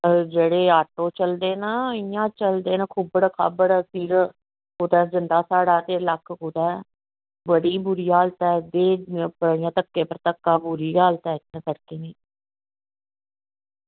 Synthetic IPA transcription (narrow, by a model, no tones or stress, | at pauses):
d͡ʒeːɽeːaːʈoːt͡ʃəld̪eːnaːɪjãːt͡ʃəld̪eːnãːkʰuːbəɽaːkʰa̰ːbəɽasiːɾ | koːt̪ɛːzɪnd̪aːsaːɽaːt̪eːləkʰːkoːt̪ɛː | bəɽiːbʊɾiːaːlt̪ɛːd̪eːpəɪjãːt̪əkːeːpəɾt̪əkːaːbʊɾiːaːlt̪ɛːɪt̪ːãːsəɽkeːniː